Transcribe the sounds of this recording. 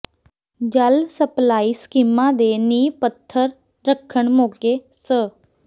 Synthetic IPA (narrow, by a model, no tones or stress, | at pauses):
d͡ʒəlsəplaːiːskiːmãːd̪eːniːpət̪ʰːəɾː | əkʰəɳmoːɡeː | sə